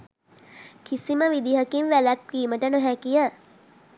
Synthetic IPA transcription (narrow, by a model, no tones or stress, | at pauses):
kʰisiməʋid̪iɦəkinʋælakʋiːməʈənoɦækijə